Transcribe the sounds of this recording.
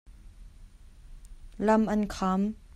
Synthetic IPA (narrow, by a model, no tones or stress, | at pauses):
lɐmʔɐnkʰam